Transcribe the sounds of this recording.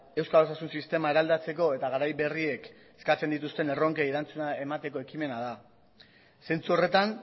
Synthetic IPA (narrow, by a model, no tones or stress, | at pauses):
e̞wskalosasunsist̪e̞maeɾald̪at͡se̞ko̞e̞t̪aɣaɾajβe̞rie̞k | e̥skat͡se̞nd̪it̪ust̪e̞ne̞ro̞ŋkeiɾant͡sunae̞mat̪e̞ko̞e̞kime̞nað̞a | se̞nt͡suore̞t̪an